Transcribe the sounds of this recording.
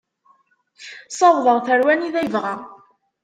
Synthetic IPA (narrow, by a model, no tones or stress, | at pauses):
sˤɑwðˤəʁθəɾwæniðæjəvʁæ